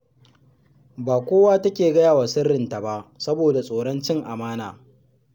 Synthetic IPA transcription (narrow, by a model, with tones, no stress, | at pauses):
baː˨kʷoː˦waː˦tɐ˦kʲeː˨ɡɐ˦jaː˨waː˨sɪ˦rɪ˨nta˨ba˦ʔsɐ˦boː˨da˨sʼoː˨ɽɐ˦nt͡ʃɪ˦ŋʔa˨maː˦naː˨